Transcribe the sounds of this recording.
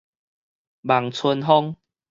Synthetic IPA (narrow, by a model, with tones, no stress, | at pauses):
ba˨˩ŋt͡sʰu˧nɦɔ˦ŋ